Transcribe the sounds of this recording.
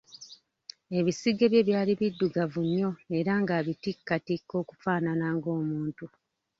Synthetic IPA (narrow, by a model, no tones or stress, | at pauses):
e̞βisiɡeβje̞βjaːliβidːuɡavuɲːo̞e̞ɾaŋɡaːβitikːatikːo̞ːku̥faːnanaːŋɡo̞ːmuːntu